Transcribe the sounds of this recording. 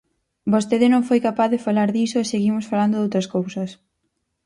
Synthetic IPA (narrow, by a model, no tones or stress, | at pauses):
bost̪eðɪnõŋfojkapaθðɪfalaɾðisoeseɣimosfaland̪oðowt̪ɾɐskowsɐs